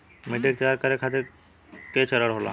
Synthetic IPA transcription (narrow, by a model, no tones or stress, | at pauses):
miʈek̚t̪aɾkaɾekʰat̪e | ket͡ʃʰəɾəɽɦola̰